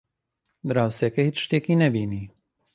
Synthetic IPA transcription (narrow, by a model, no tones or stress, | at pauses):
d̪ɾaːwsekɐhit͡ʃʃt̪eːkinɛbiːni